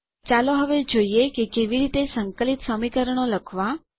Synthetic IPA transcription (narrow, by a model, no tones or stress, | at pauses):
t͡ʃaloɦəʋed͡ʒoiekekeʋiɾit̪esəŋkəlit̪səmikəɾəɳ̃oləkʰʋa